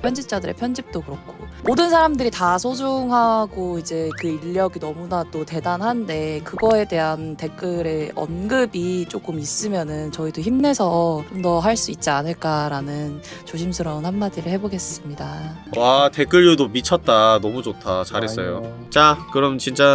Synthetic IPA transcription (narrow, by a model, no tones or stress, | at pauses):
pʰjʌnd͡ʑip̚t͡ɕ͈adɯɾḛpʰjʌnd͡ʑip̚t͈okɯɾʌk̚kʰomodɯnsʰaɾamdɯɾitasʰod͡ʑoŋɦaɡoid͡ʑe̞kɯiʎːʌɡinʌmunadote̞danɦande̞kɯɡʌe̞de̞ɦante̞k͈ɯɾe̞ʌ̰nɡɯbit͡ɕ͈ok͈ɯmis͈ɯmjʌnɯnt͡ɕʌidoçimne̞sʰʌt͡ɕomdʌɦaɭs͈uit̚t͡ɕ͈ianɯɭk͈aɾanɯnt͡ɕoɕʰimsʰɯɾʌnɦanmadiɾɯɭhe̞boɡe̞s͈ɯmɲidawate̞k͈ɯʎjudomit͡ɕʰʌt̚t͈anʌmut͡ɕotʰat͡ɕaɾɦes͈ʌjo | t͡ɕakɯɾʌmt͡ɕint͡ɕ͈a